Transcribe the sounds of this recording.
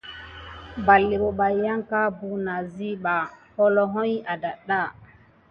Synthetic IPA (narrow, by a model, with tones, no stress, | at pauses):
ba˨lːi˨ɓo˨ɓa˨ja˦ŋka˦bu˨na˨zi˦ɓa˨hɔ˦lɔ˦ɦɔ˦ja˨da˨ɗa˦˨